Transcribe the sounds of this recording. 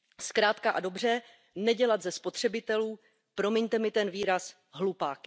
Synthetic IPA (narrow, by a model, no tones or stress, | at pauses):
skɾaːt̪kaʔado̞br̝ɛ | nɛɟɛlat̪zɛspo̞t̪r̝̥ɛbɪt̪ɛluː | pɾo̞mɛɲt̪ɛmɪt̪ɛnviːɾas | ɦlupaːkɪ